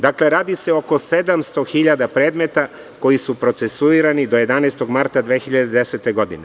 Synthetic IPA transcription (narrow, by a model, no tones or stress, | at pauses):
d̪akle̞ɾaːd̪ise̞o̞ko̞se̞d̪amst̪o̞xiʎad̪apɾe̞ːd̪me̞t̪a | ko̞jisupɾo̞t̪sesuiːɾanid̪o̞je̞d̪aneːst̪o̞ɡmaɾt̪ad̪ʋeːxiʎad̪ed̪ese̞t̪e̞ɡo̞d̪ine